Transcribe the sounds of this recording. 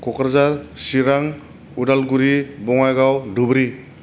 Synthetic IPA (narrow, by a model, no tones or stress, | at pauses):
kɔkɾzaɾsiɾaŋ | udalɡuɾibɔŋajɡawdubɾi